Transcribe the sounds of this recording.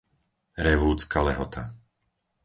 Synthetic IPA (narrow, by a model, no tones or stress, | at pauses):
ɾɛʋuːt͡skalɛɦɔt̪ʰa